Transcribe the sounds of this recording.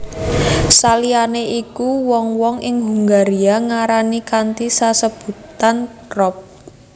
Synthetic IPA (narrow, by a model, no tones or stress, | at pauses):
salianeʔikuwɔŋwɔŋʔɪŋɦuŋɡaɾiaŋaɾanikant̪isasəb̥ṳt̪ankrɔp̚